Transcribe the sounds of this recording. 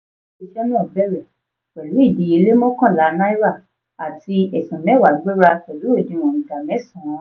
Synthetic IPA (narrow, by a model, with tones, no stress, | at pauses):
e˧ʃɛ˦nũ˦ɔ˦˨bɛ˦˨ɾɛ˨ | wɛ˨lu˨˦i˦˨di˨˦i˧le˦mɔ̃˦kã˦˨la˨˦nã˦i˦ɾa˦˨ | a˨ti˧˦ɛ˨sɔ̃˨mɛ̃˨˦wa˨˦ɡ͡be˦ɾa˧kɛ˨lu˨˦o˦˨dĩ˨˧˨w̃ɔ̃˨ĩ˨da˨mɛ̃˨˦sɔ̃˨˧˦